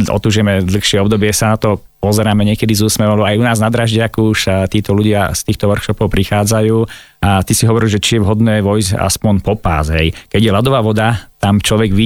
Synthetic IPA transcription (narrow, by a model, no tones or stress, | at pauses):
ɔ̰t̪uːʒɪɛmɛd̪l̩xʃɪɛɔbd̪ɔbɪɛsanat̪ɔ | pɔzɛɾaːmɛɲɪɛkɛd̪izuːsmɛʋɔlɛbajunaːznad̪ɾaʒɟɪakuuʃt̪iːt̪ɔluɟɪast̪iːxt̪ɔʋrkʃɔpɔʊpɾixaːd͡zajuːat̪isiɦɔʋɔɾilʒɛt͡ʃijɛʋɦɔd̪nɛːʋɔjza̰spɔɲpɔpa̰ːzɦɛjkɛɟjɛlad̪ɔʋaːʋɔd̪at̪amt͡ʃlɔʋɛɡʋi